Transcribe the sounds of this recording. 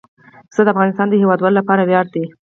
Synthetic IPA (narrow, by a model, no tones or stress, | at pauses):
zəd̪əafɣɑnɪst̪ɑnd̪əhewɑd̪wɑlolapɑɾawjɑɾd̪i